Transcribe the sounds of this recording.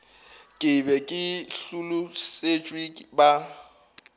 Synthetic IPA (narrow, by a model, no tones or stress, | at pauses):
kʼɪbɛkʼɪɬulʊset͡ʃʼwiba